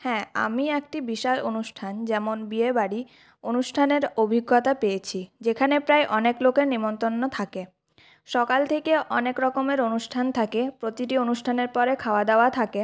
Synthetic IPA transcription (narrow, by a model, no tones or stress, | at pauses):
hɛ̃a̰miekʈibiʃalonuʃʈʰand͡ʑɛmonbiebaɽi | onuʃʈʰaneɾobʱiɡːot̪apejet͡ɕʰid͡ʑekʰanepɾajʔɔneklokeɾnimont̪ɾonːot̪ʰake | ʃɔkalt̪ʰekeʔɔnekɾɔkomeɾonuʃʈʰant̪ʰakepɾot̪iʈionuʃʈʰaneɾpɔɾekʰaoad̪eoat̪ʰake